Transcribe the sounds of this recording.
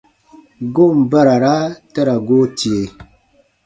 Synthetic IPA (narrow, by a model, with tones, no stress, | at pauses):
ɡo˦˨m̩˨ba˦ɾa˨ɾa˦ta˦ɾa˨ɡo˦ti˨e˨